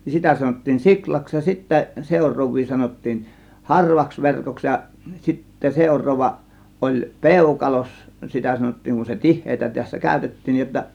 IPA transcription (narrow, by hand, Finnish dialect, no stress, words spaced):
nin sitæ sɑnotːiːn siklɑks jɑ sitːæ seˑurˑoːʋˑiː sɑnotːiːn hɑrʋɑks ʋerkoks jɑ sitːe seˑurˑoːʋːɑ ʔolʲ peˑukɑlos sitæ sɑnotːiːŋ kun se tihˑeːtæ tæsːæ kæˑø̝tetːiːn nij jotːɑ